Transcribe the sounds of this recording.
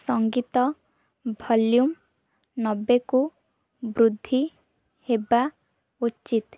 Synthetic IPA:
sɔŋɡit̪ɔ | bʱɔljum | nɔbːeku | bɾud̪ʱːi | heba | utːt͡ʃit̪

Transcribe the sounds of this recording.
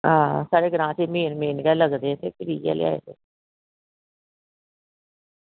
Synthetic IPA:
ɦãːsaːɾeːɡəɾãːt͡ʃeːmeːnmeːnɡɛːləɡd̪eːseːkɪɾiːɛ̰ːlḛa̰ːḛːd̪ḛː

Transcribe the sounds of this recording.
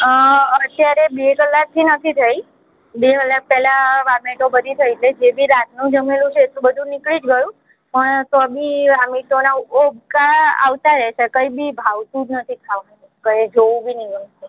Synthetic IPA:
ət̪jaɾebekəlːak̚t̪ʰinət̪ʰit̪ʰəi | bekəlːak̚pɛlaʋamiʈobəd̪ʱit̪ʰəjt̪led͡ʒebʱiɾat̪̚ʰnũd͡ʒəmelũt͡ʃʰeːt̪ũbəd̪ʱũnɪkɭid͡ʒɡəjũ | pəɳt̪obiʋamiʈonaobkaa̰ʋt̪aɾɛʃekəibibʱaʋsud̪ʱnət̪ʰik̪ʰaʋanukəed͡ʒoʋũbʱinikne

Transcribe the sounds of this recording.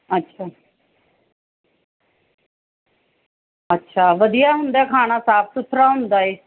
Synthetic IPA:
ətːɕʰaː | ətːɕʰaːʋəd̪ijaɦʊ̃nd̪jakʰaːɽ̃asaːp̚sʊt̪ʰɾaɦʊ̃nd̪aːi

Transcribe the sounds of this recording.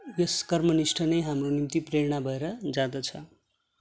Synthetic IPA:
jʌskʌrmʌnisʈʰʌnejɦamronimt̪ipreɾɳ̃abʱʌeɾʌd͡zad̪ʌt͡sʰʌ

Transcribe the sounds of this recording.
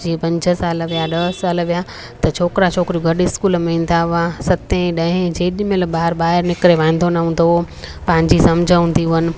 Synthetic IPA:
d͡ʑiːẽpɐ̃ɲd͡ʑʱə̆saːlʋijaɗɐɦsaːlʋija | t̪ɐt͡ɕʰoːkɾat͡ɕʰoːkɾioɡʱɐɗɪskuːlmẽĩːn̆d̪aʋãsɐt̪ẽɗɐ̃ɦɪ̃d͡ʑeːɗɪmẽlbaːɾɓaːɦɪɾnɪkɾeʋãːnd̪ʱonaɦũːn̆d̪o | pɐ̃ɦɪ̃ɲd͡ʑisɐmd͡ʑʱə̃ɦũːnd̪iɦʊɦnɪ̆

